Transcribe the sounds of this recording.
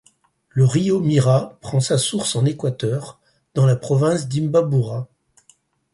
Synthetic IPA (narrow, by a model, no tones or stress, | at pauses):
ləʁiomiʁapχɑ̃sasuʁsɑ̃nekwat̪œʁ | d̪ɑ̃lapχɔvɛ̃sd̪imbabuʁa